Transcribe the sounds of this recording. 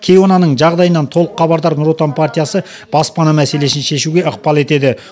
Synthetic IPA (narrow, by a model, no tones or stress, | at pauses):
kʲʰejo̞nɑnəɴʒɑʁd̪ɑjənɑnt̪ʰo̞lˠəqχːɑbɑɾd̪ɑɾnʊɾot̪anpʰart̪ʲijasə | b̥ɑspɑnɑmæse̞le̞sɪnʃe̞ʃuɡʲe̞əqpɑlˠe̞t̪e̞d̪ɪ